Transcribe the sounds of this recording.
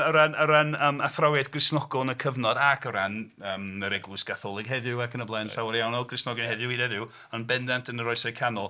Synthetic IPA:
əɾanəɾanəːmaθrawɛdɡrɪsnɔɡʊlˠnəkʰəvnɔdakʰəɾanəːməɾɛɡlˠʊsɡ̥aθɔlˠɪɡ̥ɦɛðʊwakʰənəblˠɛnawɔɾjawnɔɡrɪsnɔɡɪnhɛðʊwidɛðɪw | ɔnbɛndantʰənəɾɔɨsakʰanɔlˠ

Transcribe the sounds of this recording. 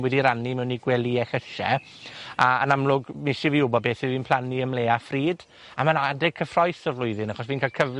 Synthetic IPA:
wɛdiɾanimɛwniɡwɛlˠiɛxəʃɛ̰ | aə̰namlʊɡmɪʃiviːʊbɔbeːθiviːnpʰl̥ˠaniəmleːafriːd | amanadɛɡ̚kʰəfrɔjθəvlʊɨðɪnaχɔsviːnkʰalkʰəv

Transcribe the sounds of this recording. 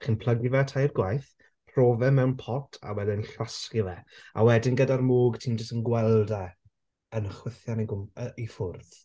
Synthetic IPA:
χɪnpʰlˠəɡivɛtʰajrɡwajθ | pʰroːvɛmɛwnpʰɔtʰa̰wɛdɪnɬwaskɪvɛa̰wɛdɪnɡədarmoːɡtʰiːnd͡ʒəstənɡwɛlˠdɛ | ənəχwɪθjaniɡʊməifʊrð

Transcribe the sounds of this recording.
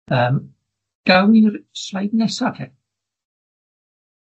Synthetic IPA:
əːm | ɡ̥awɪrsajdnɛsadʰɛ

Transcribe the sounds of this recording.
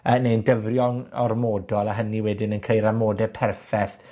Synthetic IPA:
əːnejndəvrjɔŋɔrmɔːdɔlˠaɦəniwɛdɪnənkʰejɾamoːdɛpʰɛrfɛθ

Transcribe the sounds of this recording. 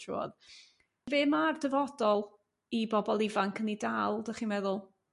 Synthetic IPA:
ɔ̰ð | veːmardəvɔdɔlˠ | ibɔbɔlˠɪvaŋkʰənidalˠdaχiːmɛðʊlˠ

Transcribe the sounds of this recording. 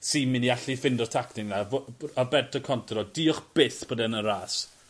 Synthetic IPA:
siːmɪniaɬifɪndɔrtʰaktɪŋnavarbɛrtʰɔkʰɔntʰrɔdiːɔχb̥ɪθb̥oːdɛnəɾaːs

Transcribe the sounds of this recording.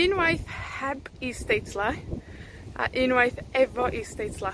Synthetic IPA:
ɪnwajθhɛbistejtsla | a̰ʔɪnwajθɛvɔʔistejtsla

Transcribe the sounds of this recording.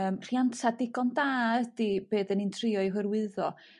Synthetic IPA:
əːmr̥jantʰadɪɡɔndaːədib̥eːðənintʰrɪɔɨɦɨrwɨðɔ

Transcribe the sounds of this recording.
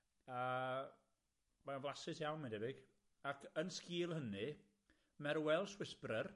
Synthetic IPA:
ə | manvlˠasɨsjawnmɪndɛvɪɡ̥ | akʰənskiːlˠhənɨ | mɛɾwɛlˠswɪsprər

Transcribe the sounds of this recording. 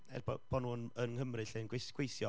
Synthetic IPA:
ɛ̰rbɔ̰b̥ɔnuːnənhəmrɨɬenɡwesɡ̥wejsθjɔ

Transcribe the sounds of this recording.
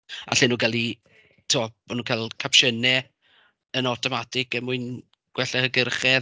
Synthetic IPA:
a̰ɬɪnuːɡalˠi | tʰoɔmanuːkʰalˠkʰapʃənɛ | ənɔtʰɔmadɪɡəmuɨn | ɡ̥wɛɬɛhəɡərχɛ

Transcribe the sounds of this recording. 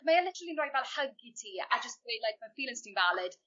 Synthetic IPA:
maɪəlɪtəɹəlĩnaɪvalˠhəɡitʰiːa̰d͡ʒʌseɪlajk̚mafiːlɪ̃ŋstɪ̃ŋvalɪd̥

